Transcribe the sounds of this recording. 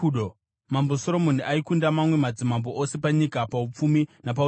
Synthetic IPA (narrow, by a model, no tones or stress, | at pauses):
ɗo | mambo̞soɾo̞mon̤iʔaikundamamwe̞mad͡zimambo̞ʔose̞paɲikapaup͡fuminap̬a